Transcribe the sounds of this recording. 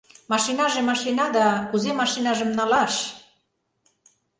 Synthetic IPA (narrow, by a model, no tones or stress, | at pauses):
mɑʃinɑʒemɑʃinɑd̪ɑkuzemɑʃinɑʒə̆mnɑlɑʃ